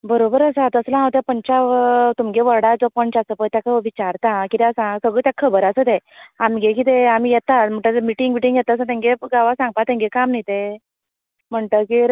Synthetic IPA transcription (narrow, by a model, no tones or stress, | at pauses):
bəɾobəɾəsat̪əslãɦãwt̪japəɲt͡ɕat̪umɡeʋəɾɽad͡zɔpɔnt͡ɕasəpəjt̪jakʰaʋit͡ɕaɾt̪ãkit̪jasãsəɡɭəːt̪jakʰəbəɾəsət̪eamiɡekit̪eam̤ijɛt̪at̪m̤əɳʈ̪at̪miʈiŋɡmiʈiŋɡjɛt̪aəsãt̪ɛ̃ŋɡeɡaʋasãŋɡ̚pat̪ɛ̃ŋɡekamnajt̪e | m̤əɳt̪əkiɾ